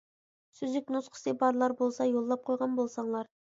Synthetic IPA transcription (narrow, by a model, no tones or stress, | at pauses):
syzɪk̚ʲnosqʰə̥sebɑɾlˠɑɾbolˠsɑjolˠːɑp̚qʰojʁɑnbolˠsɑɴlˠɑɾ